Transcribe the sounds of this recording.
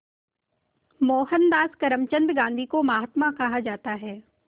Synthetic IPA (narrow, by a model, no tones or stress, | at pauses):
mɔːɦənd̪aːskɐɾəmt͡ʃə̃nd̪ɡãːnd̪ʱikomaːɦət̪mãkɐɦad͡ʒaːt̪aɦɛː